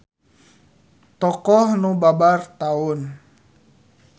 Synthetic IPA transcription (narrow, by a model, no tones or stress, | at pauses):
t̪ɔkɔhnubabart̪aun